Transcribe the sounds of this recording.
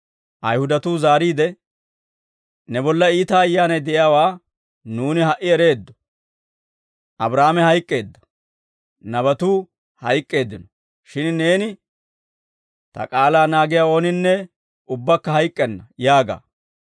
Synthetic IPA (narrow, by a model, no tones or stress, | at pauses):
ʔɐjhʊd̪ɐt̪uːzaːɾiːd̪ɛ | nɛbɔlːɐiːt̪aːjːaːnɐjd̪ɛʔɪjaːwaː | nuːnɪɦɐʔɪɛɾe̞ːd̪ːɔ̥ | ʔɐbɾaːmɛhɐjkʼːe̞ːd̪ːɐ̥ | nɐβɐt̪uː | hɐjkʼːe̞ːd̪ːɪnɔ | ʃɪnne̞ːnɪ | t̪ɐ̰kʼaːlaːnaːɡɪjaːo̞ːnɪnːɛ | ʊbːɐkːɐhɐjkʼːɛnːɐjaːɡa̰ː